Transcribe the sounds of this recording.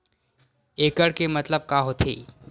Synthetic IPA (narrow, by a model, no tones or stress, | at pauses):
eːkəɽkemɐt̪ləb̚kaːɦot̪ʰḛː